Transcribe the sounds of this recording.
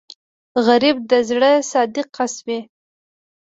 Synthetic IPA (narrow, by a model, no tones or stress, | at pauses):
ɣaɾib̚d̪əzɽəsɑd̪ɪqʰːasmi